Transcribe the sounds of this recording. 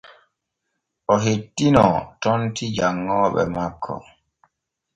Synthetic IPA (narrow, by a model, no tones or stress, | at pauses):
ɔɦetːinɔtɔntid͡ʒaŋːɔɓɛ̰makʰːɔ̰